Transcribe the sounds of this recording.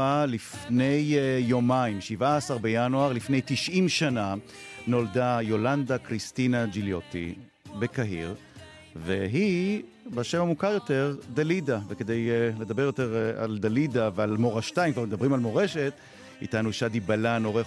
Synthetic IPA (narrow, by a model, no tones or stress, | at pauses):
alifne̞jːomaimʃivaːsaʁbejanuaʁlifne̞jtiʃʔimʃana | no̞ldajo̞landakʁist̪inad͡ʒiljo̞t̪ḭ | be̞kaɦḭʁ | veɦi | baʃemamukaʁjo̞te̞ʁd̪alidaveked̪ejle̞d̪abe̞ʁjot̪e̞ʁa̰ld̪alidavealmo̞ʁaʃt̪ajimkvaʁmd̪abʁimalmo̞ʁeʃe̞t | ḭtanuʃadibalano̞ʁe